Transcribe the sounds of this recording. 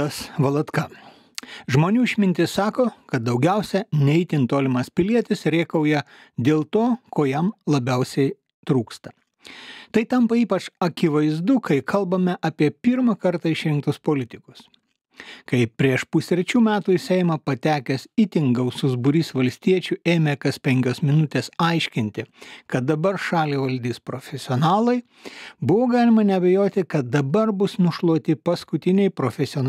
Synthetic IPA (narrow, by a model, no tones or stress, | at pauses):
ɐsʋɐlˠɐt̪kɐ | ʒmoːnʲuːɪʃʲmʲɪnʲt̪ʲɪssɑːkoːkɐt̪̚d̪ɐʊɡʲæˑʊsʲɛnʲɛɪt̪ʲɪnt̪oːlʲɪmɐspʲɪlʲiɛt̪ʲɪsɾʲeːkɐʊjɛ | d̪ʲeːlˠt̪oːkoːjɛmlˠɐbʲæʊsʲɛɪ | t̪ɾuːkst̪ɐ | t̪ɐɪt̪ɐmpɐiːpɐt͡ʃɐkʲɪʋɐɪzd̪ʊkʰɐɪkʰɐlˠbɐmʲɛʔɐːpʲiɛpʲɪɾmɐkɐɾt̪ɐɪʃʲɾʲɪŋk̚t̪ʊspoːlʲɪt̪ʲɪkʊs | kɐɪpʲɾʲiɛʃpʊsʲɾʲt͡ʃʲuːmʲæːt̪uɪsʲɛɪmɐpɐt̪ʲæːkʲɛsit̪ʲɪŋɡɐʊsʊzbʊɾʲiːsʋɐlʲsʲt̪ʲiɛt͡ʃʲueːmʲeːkɐspʲɛŋʲkʲoːsmʲɪnʊt̪ʲeːsɐɪʃʲkʲɪnʲt̪ʲɪkɐt̪̚d̪ɐbɐɾʃɑːlʲiːʋɐlʲd̪ʲiːspɾoːfʲɛsʲɪɔnɑːlˠɐɪ | bʊʋoːɡɑːlʲɪmɐnʲɛɐbʲɛjoːt̪ʲɪkɐt̪̚d̪ɐbɐɾbʊsnʊʃlˠuɔt̪ʲɪpɐskʊt̪ʲɪnʲɛɪpɾoːfʲɛsʲɪoːn